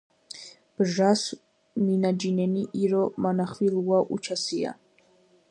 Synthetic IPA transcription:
b̥ʒas | minad͡ʒinɛniʔiɾɔmanaχwiluaʔṵt͡ʃʰasia̰

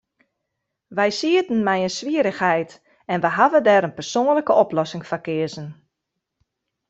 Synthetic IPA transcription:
ʋɛjsiətən̩mɛjənsʋiəɾəxhɛjt | ɛnʋɛjɦavədɛːɾənpərsoːnləkəɔplɔsɪŋfakɪəzən

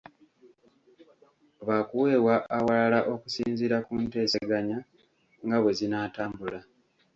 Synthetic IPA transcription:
βakuwe̞ːwaʔːwalalaʔo̞kusiːnziɾakunte̞ːse̞ɡaɲa | ŋɡaβwe̞zinaːtaːmbula

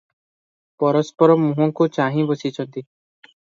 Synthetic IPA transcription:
pɔɾɔspɔɾɔmũɦɔŋkut͡ʃaɦĩbosit͡ʃʰɔnt̪i

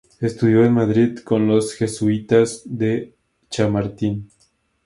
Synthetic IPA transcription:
est̪uðjoenmaðɾiðkonlosxesuit̪azðe | t͡ʃamaɾt̪in

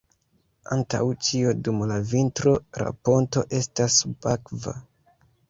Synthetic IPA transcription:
a̰nta̰wt͡ʃiodumlavintɾo̞ɾa̰po̞nto̞ʔe̞stasbakva̰

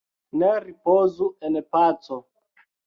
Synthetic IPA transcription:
nɛɾipozuɛnpat͡sɔ

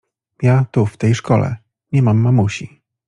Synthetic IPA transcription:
jat̪uft̪ɛjʂkɔlɛ̰ | ɲɛmamːamuɕi

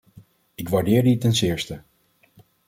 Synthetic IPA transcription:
ɪkʋaːɹdɪːɹditɛnsɪːɹstə

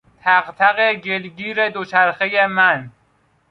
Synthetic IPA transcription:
t̪ʰæɣt̪ʰæɣeɟelɡiːɾed̪ot͡ʃʰæɾxejemæn

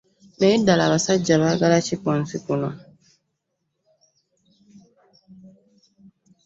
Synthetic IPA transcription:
mɛidalaβasad͡ʒaβaɡalat͡ʃikɔ̃n̩sikunɔ

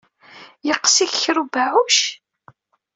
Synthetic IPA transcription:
jəqːsiççɾubaʕuʃ

